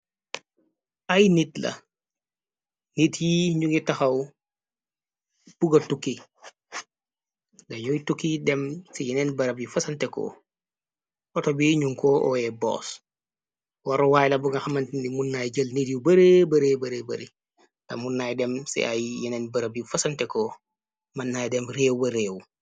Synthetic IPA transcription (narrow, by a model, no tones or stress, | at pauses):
ajnitlɐ̰ | nitjiːɲuɡitaxɐw | b̥uɡɐtukːi | daɲujtukːidɛmsijinɛnbɐɾɐbjifɐsɐntɛko̰ː | ɔtobiɲuŋkoʔɔ̰jɛbɔ̰ːs | waɾowaːjlɐbuɡɐxɐmɐntinimunːajɟɐlnidiwbɐɾebɐɾebɐɾebɐ̰ɾi | d̥a̰munːajdɛmsḭa̰jjinɛnbɐɾɐbjifɐsɐntɛkɔ | manːaːjdɛmɾeːwbɐɾeːw